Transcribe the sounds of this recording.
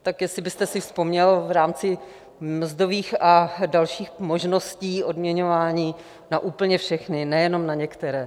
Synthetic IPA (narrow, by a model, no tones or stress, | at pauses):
t̪akjɛsɪbɪst̪ɛsɪfspo̞mɲɛlvɾaːmt͡sɪ | m̩zdo̞viːxadalʃiːxmo̞ʒnosciːʔo̞dmɲɛɲo̞vaːɲiː | naʔuːpl̩ɲɛfʃɛxnɪnɛjɛno̞mnaɲɛkt̪ɛɾɛː